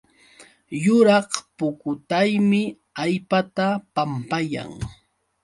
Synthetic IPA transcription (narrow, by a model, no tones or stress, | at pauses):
jʊɾɑχpʊkʊt̪ajmɪ | ajpat̪apampaja̰ŋ